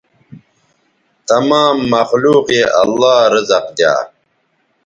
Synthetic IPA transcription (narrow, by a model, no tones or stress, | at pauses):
t̪ɐmaːmːɐxluːqeːʔɐ̰lːaːɾʌzɐqd̪ja̰ː